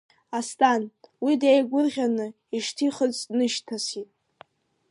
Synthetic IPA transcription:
astʼanwidejɡʷʊrʁʲanɨ | iʂtʰiχət͡sʼnɨʃtʰasitʼ

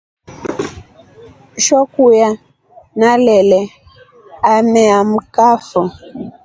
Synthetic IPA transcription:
ʃɔkuja | nalɛlɛ | amɛam̩kafɔ

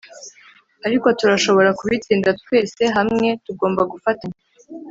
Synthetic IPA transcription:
aɾiko̞tuɾaʃo̞βo̞ɾakuβitiːndatwe̞ːse̞ɦamŋe̞tuɡo̞ːmbaɡufata

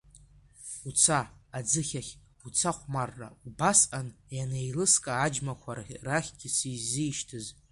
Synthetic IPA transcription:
ut͡sʰaːd͡zɨχʲaχʲ | ut͡sʰaχʷmarːa̰ubasʔanjanejlɨskʼaːd͡ʒmakʷʰarraχʲɡʲɪsizijʃtʰɨz

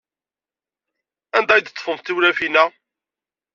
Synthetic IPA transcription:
ænd̪æjd̪t̪ːˤfəmt̪ːiwɾæfinæ

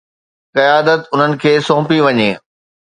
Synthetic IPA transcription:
kɐjaːd̪ət̪ʊn̤ənɪ̆kʰeːsõːpiʋɐɲeː

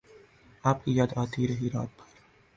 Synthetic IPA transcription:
aːp̚kijaːd̪aːt̪ʰiɾɐɦiɾa̰ːt̪̚bʰɐɾ

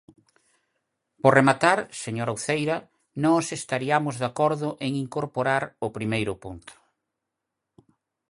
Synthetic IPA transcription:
poremat̪aɾseɲoɾawθejɾɐ | nɔsest̪aɾiamʊzðakɔɾðʊʔeŋiŋkoɾpoɾaɾʊpɾimejɾʊpunt̪ʰʊ̥

